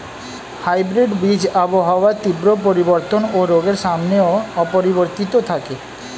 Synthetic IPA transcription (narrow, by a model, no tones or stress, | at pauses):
hajbɾiɖbid͡ʑaboɦaoat̪ibɾop̬oɾiboɾt̪onoɾoɡeɾʃamneoɔpoɾiboɾt̪it̪ot̪ʰake